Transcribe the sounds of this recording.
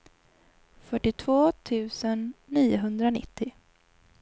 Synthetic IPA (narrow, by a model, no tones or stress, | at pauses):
fœʈːɪt̪ʰvoːt̪ʰʉ̟ːsənːiːʊɦɵnd̪ɾanɪ̰t̪ʰːɪ